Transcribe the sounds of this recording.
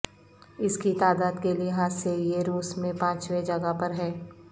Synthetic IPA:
ɪskit̪aːd̪aːd̪kelieɦaːsejeɾuːsmẽpãːt͡ʃwed͡ʒɐɡapɐɾɦɛː

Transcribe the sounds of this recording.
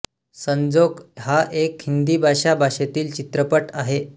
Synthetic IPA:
səɲd͡zoɡɦaʔekhind̪iːbʱaɕabʱaɕet̪iːlt͡ɕit̪ɾəpəʈaɦe

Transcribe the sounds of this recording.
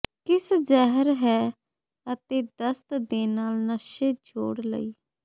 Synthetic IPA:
kɪszɛɦəɾɦɛː | ət̪eːd̪əst̪d̪eːnaːlnəʃeːd͡ʒoːɽlə̰iː

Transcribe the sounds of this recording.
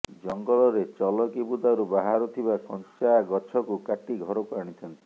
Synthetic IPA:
d͡ʒɔŋɡɔlɔɾet͡ʃɔlɔkibud̪aɾubaɦaɾɔt̪ʰibasɔnt͡ʃaaɡɔt͡ʃʰɔkukaʈiɡʱɔɾɔkaɾɽ̃it͡ʃ̪ʰɔnt̪i

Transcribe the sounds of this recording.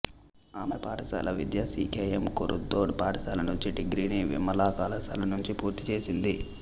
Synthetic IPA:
aːmɐpaːʈɐsa̰ːlʔɐʋid̪jaːsiːkeːjemkoɾṵd̪ːoːɖpaːʈɐsaːlɐnuɲt͡ʃiɖiɡɾiniʋḭmːɐlaːkaːlɐsa̰ːlɐnuɲt͡ʃipuːɾt̪it͡ʃe̞ːsind̪i

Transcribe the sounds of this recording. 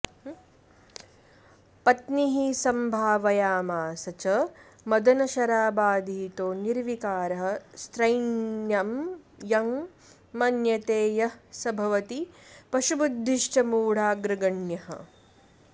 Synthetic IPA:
pɐt̪niɦisɐmbʱaːʋɐjaːmaːsɐt͡ʃɐ | mɐd̪ɐnɐʃɐɾaːbaːd̪ʱiːt̪oːniɾʋikaːɾɐɦɐ̆st̪ɾɐjnjɐmjɐŋ | mɐnjɐt̪eːjɐsɐbʱɐʋɐt̪ipɐʃubud̪ʱːiʃt͡ʃɐmuːɽ̤aːɡɾɪɡɐɳjɐhɐ̰

